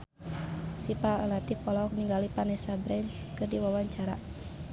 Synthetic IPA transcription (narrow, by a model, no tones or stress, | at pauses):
sipaəlat̪ipɔlaɔk̚niŋɡalipanɛsabɾɛnskərdiwawaɲt͡ʃaɾa